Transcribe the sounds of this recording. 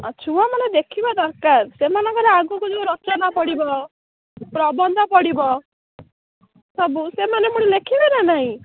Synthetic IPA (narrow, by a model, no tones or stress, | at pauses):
ɔt͡ʃʰɔamɔned̪ekʰibɔd̪ɔɾkaɾsemanɔŋkɔɾeaɡukud͡ʒeuɾɔt͡ʃɔnapɔɽibɔ | pɾɔbɔnd̪ʱɔpɔɽibɔ | sɔbusemanemuɽ̃ilekʰibenanaɦĩ